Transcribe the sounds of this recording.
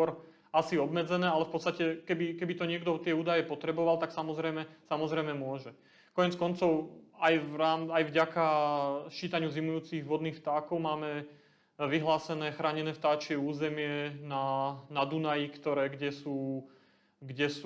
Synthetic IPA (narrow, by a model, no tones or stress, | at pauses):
kɔɾ | asiɔbmɛd͡zɛnɛːalɛfpɔt̪t͡sst̪acɛkɛbikɛbit̪ɔɲɪɛɡd̪ɔt̪ɪɛuːd̪ajɛpɔt̪ɾɛbɔʋalt̪aksamɔzɾɛjmɛsamɔzɾɛjmɛmʊɔʒɛ | kɔɲɛɛt͡skɔnt͡sɔʊajʋɾaːmajvɟakat͡ʃiːt̪aɲuzimujuːt͡siɣʋɔd̪niːxft̪aːkɔʊmaːmɛ | ʋiɦlaːsɛnɛːxɾaːɲɛnɛːft̪aːt͡ʃɪɛuːzɛmɪɛnanad̪unajikt̪ɔɾɛːɡɟɛsuː | ɡɟɛs